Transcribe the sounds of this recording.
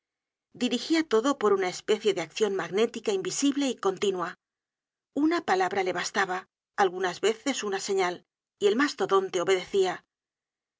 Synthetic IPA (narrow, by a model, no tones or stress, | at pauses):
d̪iɾixiat̪o̞ðo̞po̞ɾunae̞spe̞θje̞ðeakθjo̞nmaɣne̞t̪ikaimbisiβle̞iko̞nt̪inwa | unapalaβɾale̞β̞ast̪aβaː | lɣunazβe̞θe̞sunase̞ɲal | ie̞lmast̪o̞ðo̞nt̪eo̞βe̞ðe̞θia